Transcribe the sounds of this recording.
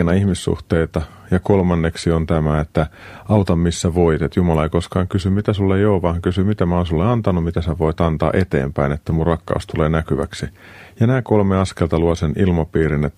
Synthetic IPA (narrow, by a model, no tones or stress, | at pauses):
nɑihmisːṵht̪eit̪ɑ | jɑkolmɑnːeksiont̪æmæet̪ːæ | ɑut̪ɑmmisːæʋoit̪et̪jumɑlɑeikoskɑːŋkysymmit̪æsulːejoːʋɑhɑŋkysymit̪æmæonsulːeɑnt̪ɑnumit̪æsæʋoit̪ɑnt̪ɑ̰ːʔet̪ḛːmpæinet̪ːæmurrɑkːɑ̰ust̪uleːnækyʋæ̰ksi | jɑnæːkolmeɑskelt̪ɑluɑsenilmɑpiːɾinet̪ː